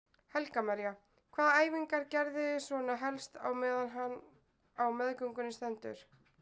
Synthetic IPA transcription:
hɛlkamaɾja | kʰv̥aːðaaːjviŋkaɾcɛɾðɪsvɔːnaɦɛlst̪a̰wmɛːðanɦan | awmɛðkʏŋkʏnɪst̪ɛnt̪ʏ̰ɾ̥

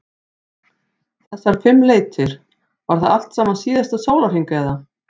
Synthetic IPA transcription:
θɛsːaɾ̥fɪmːleːjt̪ʰɪɾ̥ | vaɾ̥θaðal̥t̪saːmansiːðast̪asoːwlaɾ̥hiŋkɛða

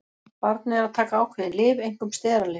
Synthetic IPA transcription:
paɾt̪̚nɪɛɾaðt̪ʰaːkaawhkʰvɛðɪlɪːvejŋ̥kʏmst̪ɛːɾalɪ

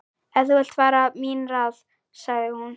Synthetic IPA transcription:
ɛðuɛl̥t̪vaːɾaminral | saɣðɪhun

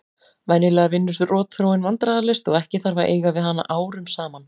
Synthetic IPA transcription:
vanɪlɛɣaɾvɪnːʏst̪ʏrɔːt̪θɾowɪnvant̪ɾaːðalɪst̪ɔɣɛhcɪθaɾvaɾʔḛːjɣavɪðɦanːa̰ʔaːwɾʏmsaːman

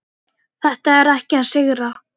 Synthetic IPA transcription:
θɛht̪aɛɾajhcɪaðsɪɣɾa

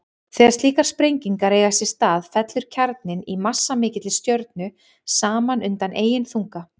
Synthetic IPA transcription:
θɛːɣaɾst̪liːkaɾ̥spɾejɲciŋkaɾejɣasjɪ̥st̪aːðfɛt̪lʏɾ̥cʰaɾt̪̚nɪnimasːamɪːcɪt̪lɪst̪jœɾt̪̚nʏ | saːmanʏnt̪anʔeːjɪnθuŋka

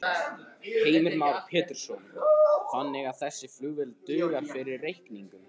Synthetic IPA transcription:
heːjmɪɾmawɾpʰɛːt̪ʏɾ̥sownfanːɪɣaðθɛsːɪflʏːvɪlt̪ʏːɣḁfɪɾɪɾrejhkniŋkʏm

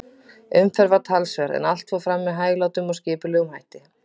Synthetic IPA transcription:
ʏmfɛɾvat̪ʰalsvɛɾɛ̰nal̥t̪fawfɾamːɛðɦaːjɣlaːwt̪ʏmɔɣscɪːpʏlɛːɣʏmhajht̪ɪ

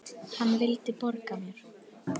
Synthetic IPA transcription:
hanːvɪlt̪ɪpɔɾkamʏɾ̥

